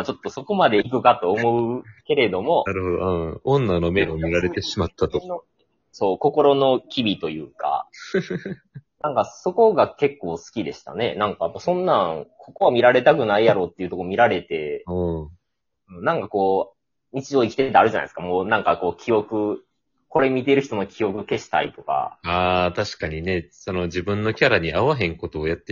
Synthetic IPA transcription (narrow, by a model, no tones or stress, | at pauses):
at͡ɕo̞t̪ːo̞so̞ko̞mad̪e̞ikɯ̟kat̪o̞ːmo̞ɯke̞ɾe̞d̪o̞mo̞aɾɯ̟hod̪o̰ɯ̃õnːanome̞omʲiɾaɾet̪e̞ɕimat̪ːat̪ono | so̞ːko̞ko̞ɾo̞no̞kʲibʲit̪o̞jɯ̟̰ːka̰ | nãŋkaso̞ko̞ɡake̞kːo̞ːsɨ̥kʲid̪e̞̰ɕi̥t̪a̰ne̞̰nãŋkapːasõ̞nːãŋkʰo̞ko̞βamʲiɾaɾe̞t̪akɯ̟naijaɾo̞ːt̪ːeiɯ̟t̪okomʲiɾaɾe̞t̪e̞ɯ̃ː | ɯ̟̃ɴnãŋkako̞ː | ɲ̟it͡ɕiʑoːikʲi̥t̪e̞t̪eaɾɯ̟ʑana̰sɨ̥kamo̞ːnãŋkako̞ːkʲio̞kɯ̟ | ko̞ɾe̞mʲit̪̬e̞ɾɯ̟çi̥t̪o̞no̞kʲio̞kɯ̟ke̞ɕi̥t̪a̰ḭt̪o̞ka̰aːt̪aɕi̥kaɲ̟ine̞sono̞d͡ʑibɯ̟̃nːo̞kʲaɾaɲ̟iaβaɦẽ̞ŋko̞t̪o̞ːjat̪ːe